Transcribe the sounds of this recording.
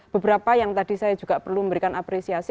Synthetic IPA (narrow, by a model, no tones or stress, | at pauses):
b̥əbəɾapajaŋt̪ad̥isajad͡ʒuɡ̥apərluməmbəɾikanʔapɾesiasi